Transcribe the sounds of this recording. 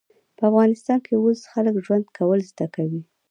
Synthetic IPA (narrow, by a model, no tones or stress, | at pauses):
pəafɣɑnɪst̪ɑnkeosxaləkʒwand̪kʰawəlzd̪akawi